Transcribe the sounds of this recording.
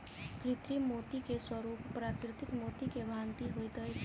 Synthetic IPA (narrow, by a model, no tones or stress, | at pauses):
kɾit̪ɾimot̪ikeswəɾuppɾakɾit̪ikmot̪ikebʱant̪iɦojd̪əjt͡ʃʰ